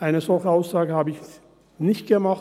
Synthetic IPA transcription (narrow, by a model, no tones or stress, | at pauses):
ʔaɪnəzɔlçəaʊsaːɡəhaːbəɪç | nɪçt̚ɡ̥əmaχ